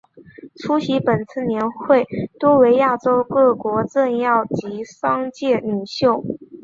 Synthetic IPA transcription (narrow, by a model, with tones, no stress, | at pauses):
ʈ͡ʂʰu˥ɕi˧˥pə˨˩nt͡sʰɹ̩˥˩njɛ˧˥nxwe˥˩ɪt̪wɔ˥we˧˥ɪja˥˩ʈ͡ʂo˥ʊkɤ˥˩kwɔ˧˥ʈ͡ʂə˥˧njɑ˥˩ʊt͡ɕi˧˥ʂɑ˥ŋt͡ɕjɛ˥˩ny˨˩ɕjo˥˩ʊ